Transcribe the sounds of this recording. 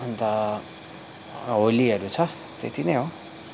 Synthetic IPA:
ʌnt̪ʌ | ɦoliʌɾut͡sʰʌ | t̪ḛt̪ʰinʌjɦo

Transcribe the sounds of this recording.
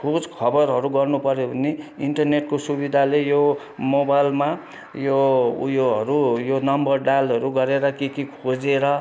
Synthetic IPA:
kʰod͡zkʰʌbʌrɦʌɾuɡʌrnupʌɾjobʱʌnːeiɳʈʌrneʈ̚kosubid̪ʱalejo | mobajlma | joujoɦʌɾujonʌmbʌrɖalʌɾuɡʌɾeɾʌkikikʰod͡zeɾʌ

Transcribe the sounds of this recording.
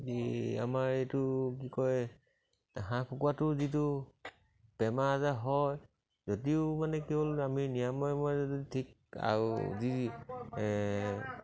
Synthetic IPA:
ia̰maɹejtʊk̬ikɔj | ɦãkʰukuwatʊzit̬ʊ | b̥ɛmaːzaɦɔj | zodiʊmanɛkebolaminijamɔjmɔjzɔditʰik̚ | a̰ɹṵzi | ɛ

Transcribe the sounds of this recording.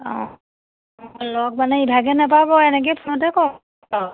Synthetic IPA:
ɔ̰̃ | mlɔk̚manɛibʱaɡɛnapabɔɛnɛk̬ɛjpʰunɔt̬ɛkɔ | a

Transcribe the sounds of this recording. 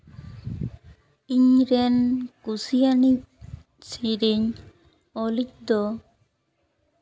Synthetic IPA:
iɲɾɛnkusijani | siɾiɲ | ɔlic̚d̪ɔ

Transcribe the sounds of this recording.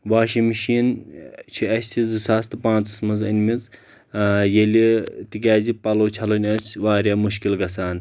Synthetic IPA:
ʋaːʃimiʃiːnt͡ʃʰiɐsʲizɨsaːst̪ɨpãːnt͡sɐsmɐzɐ̰nʲmiz | jelʲit̪ik̬ʲaːzipɐloːt͡ʃʰɐlɐnʲɐsʲʋaːɾʲjaːmuʃkilɡɐsaːn

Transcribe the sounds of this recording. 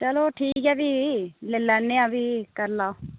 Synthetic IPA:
t͡ʃəloːʈʰiːkɦɛːbiːleːlɛːnːeːãːbʱiːkəɾlaːo

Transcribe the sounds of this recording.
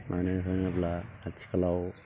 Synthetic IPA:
mʔanɯɦɯŋaplaːt͡ʃʰi̥kalaw

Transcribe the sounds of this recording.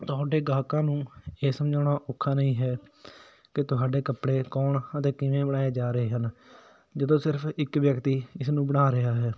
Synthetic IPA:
t̪ʊɦaːɖeːɡaːkãːnũːeːsəmd͡ʒaːɽaːʔʊkʰːaːnəĩːɦɛː | kɪt̪ʊɦaːɖeːkəpɽeːkɔːɳət̪eːkɪʋẽːbəɽaːeːd͡ʒaːɾəeːɦən | d͡ʒəd̪õːsɪɾəpʰɪkʋjəkt̪iːɪsnũːbəɽaːɾɪaːɦɛː

